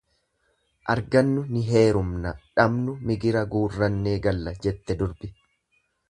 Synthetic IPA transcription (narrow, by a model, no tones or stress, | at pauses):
ʔɐɾɡɐnːʊnɪɦe̞ːɾʊmnɐᶑɐmnʊmɪɡɪɾɐɡuːrːɐnːe̞ːɡɐlːɐd͡ʒɛt̪ːɛd̪ʊɾbɪ